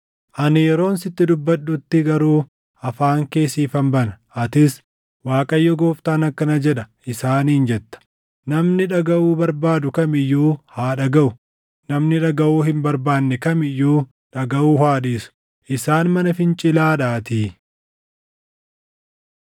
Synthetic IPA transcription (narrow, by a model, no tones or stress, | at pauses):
ʔɐnɪjɛɾo̞ːnsɪt̪ːɪd̪ʊbːɐɗʊt̪ːɪɡɐɾuː | ɐfaːŋke̞ːsiːfɐmbɐnɐʔɐt̪ɪs | waːkʼɐjːɔɡoːft̪aːnɐkːɐnɐd͡ʒɛᶑɐʔɪsaːniːnd͡ʒɛt̪ːɐ̥ | nɐmnɪᶑɐɡɐʔuːbɐɾbaːd̪ʊkɐmɪjːuːhaːᶑɐɡɐʔʊ | nɐmnɪᶑɐɡɐʔuːhɪmbɐɾbaːnːɛkɐmɪjːuː | ᶑɐɡɐʔuːhaːᶑiːsʊ̥ | ʔɪsaːnmɐnɐfɪnt͡ʃʼɪlaːᶑaːt̪iː